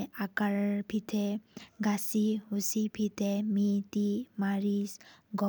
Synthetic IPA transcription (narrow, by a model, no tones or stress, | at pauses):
akaɾbʰʱit̪ʰeɡasiɦusibʱit̪ʰemit̪imaɾisɡɔ